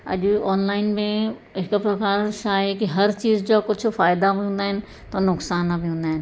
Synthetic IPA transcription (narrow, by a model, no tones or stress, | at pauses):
ɐ̰ʄɔːnlaːɪnmẽ | ɦɪkpɾɐkaːɾʃaːekiɦɐɾt͡ɕiːzd͡ʑoːkʊt͡ʃʰʊ̆faːɪd̪abiɦũːn̆d̪aːɦɪnɪ̆ | t̪ɐnʊksaːnabiɦũnd̪aːɦɪnɪ